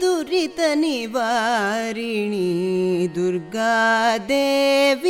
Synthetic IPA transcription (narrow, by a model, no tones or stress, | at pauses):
d̪uɾit̪ɐniʋaɾiɳid̪uɾɡaːd̪eːʋi